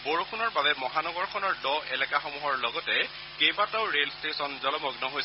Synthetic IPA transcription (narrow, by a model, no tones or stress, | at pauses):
boɹukʰunɔɹbabɛmɔɦanɔɡɔɹkʰɔnɔɹdɔɛlɛkaxomuɦɔɹlɔɡɔtɛ | kejbataʊɹelstesɔnzɔlɔmɔɡnɔɦoj